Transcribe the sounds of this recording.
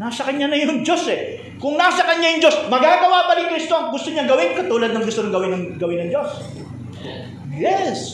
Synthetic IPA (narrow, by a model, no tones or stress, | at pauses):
nasɐkɐɲanɐjoŋd͡ʒo̞sɛ | kʊŋnasɐkɐɲajʊŋd͡ʒo̞smɐɡaːɡɐwaʔpɐlikɾist̪oɐŋɡʊst̪oɲɐŋɡɐwɪnkɐt̪uːlɐd̪̚nɐŋɡʊst̪onɐŋɡɐwɪnːɐŋɡɐwɪnːɐŋd͡ʒo̞s | jɛs